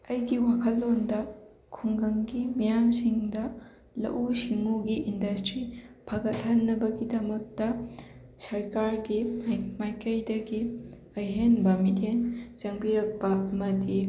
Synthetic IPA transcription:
ɐjɡiwakʰɐlːondɐ | kʰuŋɡɐŋɡimijamsiŋdɐ | lɐ̰ʔusiŋuɡiʔindɐstɾipʰɐɡɐt̚hɐnːɐbɐɡidɐmɐk̚tɐ | sɐɾkaɾɡimajkɐjdɐɡi | ɐjɦenbɐmitent͡ʃɐŋbiɾɐk̚pɐɐmɐdi

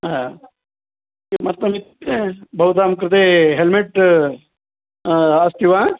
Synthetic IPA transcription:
a | mɐt̪ːɐmit̪ | bʱɐwt̪aːmkɾɪt̪eːɦelmeʈ | ast̪iʋãː

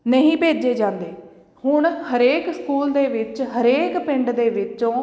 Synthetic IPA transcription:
nəɦĩːpeːd͡ʒeːd͡ʒãːnd̪eː | hʊɳhəɾeːkskuːld̪eːʋɪt͡ʃɦəɾeːkpɪɳɖd̪eːʋɪt͡ʃõː

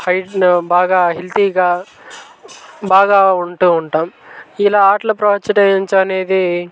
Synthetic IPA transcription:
hɐjʈbaːɡaːɦelt̪iːɡaː | baːɡaːuɳʈuːɳʈaːmilaːaːʈlɐpɾɐʋɐt͡ʃːɐʈɐɲt͡ʃɐne̞ːd̪i

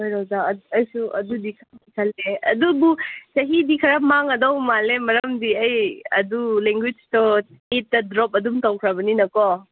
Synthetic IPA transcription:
ojɾɔwdaɐjsuɐ̰dudikʰaikʰaleɐ̰dubusɐɦidikʰɐɾamaŋɐdɔwmalemɐɾɐmdiɐjɐduleŋɡwid͡ʒtɔ | et̚ːɐdɾɔp̚ɐdumtɔwkʰɾabɐninɐkɔ

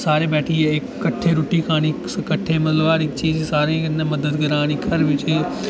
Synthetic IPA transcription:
saːɾeːbɛːʈʰiːɪkːəʈʰːeɾʊːʈiːkʰaːɽ̃iːskəʈʰːeːmət̪ləbaːɾɪkt͡ʃiːzsaːɾeneməd̪əd̪ɡəɾaːñikʰɐɾʋɪt͡ʃe

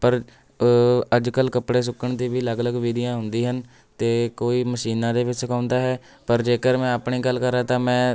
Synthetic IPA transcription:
pəɾ | əd͡ʒkəlkəpɽeːs̬ʊkəɳt̪iːʋiːləɡləɡʋiːd̪ɪjãːɦʊnd̪iːɦən | t̪eːkoːiːməʃiːnãːd̪eːʋɪt͡ʃsəkãːʊnd̪aːɦɛː | pəɾd͡ʒeːkəɾmɛ̃ːəpɳiːɡəlkəɾaːt̪ãːmɛ̃ː

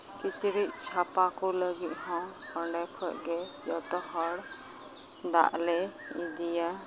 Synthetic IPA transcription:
kit͡ʃɾit̪̚t͡ʃʰapakɔləɡit̪̚ɦɔ̃pɔɳɖɛkʰɔʔɡɛd͡ʒɔt̪ɔɦɔɽ | d̪a̰ʔlɛ | id̪ija

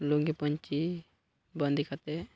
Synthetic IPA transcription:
luŋɡipəɲt͡ʃi | bənd̪ʱikʰat̪ɛ

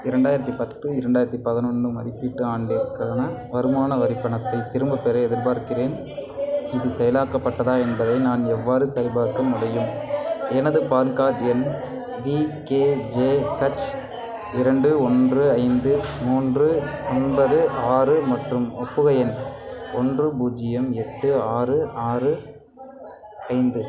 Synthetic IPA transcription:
ɪɾɐɳɖaːjɪɾɐt̪ːipɐt̪ːɯɪɾɐɳɖaːjɪɾɐt̪ːipɐðɪnɔnɯmɐðɪpːiʈːɯaːɳɖɪɾɯkːaːnɐʋɐɾɯmaːnɐʋɐɾɪpːɐɳɐt̪ːɐɪt̪ːɪɾɯmbɐpɛɾɐɛðɪɾbaːɾkɪreːn | ɪðɯsɛjɐlaːkɐpːɐʈːɐðaːɛnbɐðɐɪnaːnɛʋːaːɾɯsɐɾɪbaːɾkːɐmʊɽɐjɯmɛnɐðɯpaːɾkaːɾɐn | ʋiːkeːd͡ʒeːkɐt͡ʃ | ɪɾɐɳɖɯɔndrɯɐɪnd̪ɯmuːndrɯɔnbɐðɯʔaːrɯmɐʈrɯmɔpːɯɣɐjɐnɔndrɯbuːd͡ʒɪjɐmɛʈːɯaːrɯaːrɯ | ɐɪnd̪ɯ

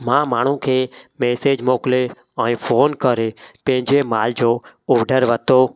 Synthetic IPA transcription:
mãːmaːɳ̤ũkʰeːmeːseːd͡ʒmoːkle | ɛ̃ːfʰoːnkəɾeːpə̃ɦɪ̃ɲd͡ʒemaːld͡ʒoːɔːɖəɾʋət̪oː

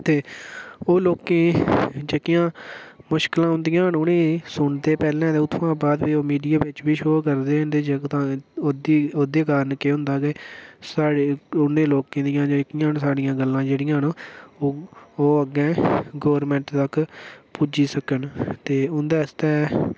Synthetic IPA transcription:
t̪eːoːloːkẽːd͡ʒəkɪjãːmʊʃklãːʊ̃nd̪ɪjãːɳʊnẽːsʊɳd̪eːpɛːlɛ̃ːt̪eːʊt̪ʰːʋãːbaːd̪biːoːmiːɖijaːʋɪt͡ʃbiːʃoːkəɾd̪eːʊnd̪eːd͡ʒəkt̪ãd̪iːoːd̪eːkaːɾnkeːɦʊ̃nd̪aːɡeːsaːɽʊnẽːloːkẽːd̪ɪjãːd͡ʒəkɪjãːnsaːɽɪjãːɡəlːãːd͡ʒeːɽɪjãːnoːoːoːəɡɛ̃ːɡoːɾmɛ̃ɳʈt̪əkpuːd͡ʒiːsəkənt̪eːʊnd̪aːst̪ɛː

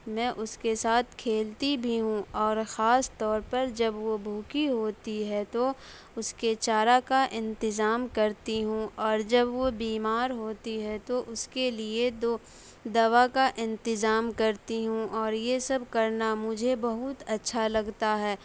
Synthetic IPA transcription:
mɛ̃ːʔʊskesaːt̪ʰkʰeːlt̪ibʱiɦũɔːɾxaːst̪ɔːɾpɐɾd͡ʒɐbʋobʱuːkiɦoːt̪iɦɛt̪o | ʊsket͡ʃaːɾakaʔɪ̃nt̪ɪzaːmkɐɾt̪iɦũʔɔːɾd͡ʒɐbʋobiːmaːɾɦoːt̪iɦɛt̪oʔʊskelied̪oː | d̪ɐʋakaʔɪ̃nt̪ɪzaːmkɐɾt̪iɦũʔɔːɾjesɐbʱkɐɾnamʊd͡ʒʱebɐɦʊt̪ɐtːʃʰalɐɡt̪aɦɛː

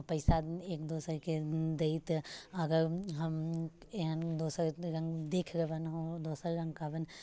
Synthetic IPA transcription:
pɐɪsaeːkd̪oːsəɾked̪eit̪ɐɡəɾɦɐmeɦənd̪oːsəɾɾɐ̃ŋɡd̪eːkʰɡebənɦod̪oːsəɾɾɐ̃ŋɡ̚kaːbən

